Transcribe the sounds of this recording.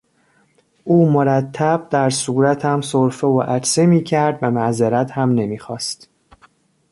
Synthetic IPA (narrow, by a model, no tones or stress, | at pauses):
ʔuːmoɾæt̪ʰːæb̥̚d̪æɾsuːɾæt̪ʰæmsoɾfeoʔæɾsemiːcʰæɾd̪væmæzeɾæt̪hæmne̞miːxɒːst̪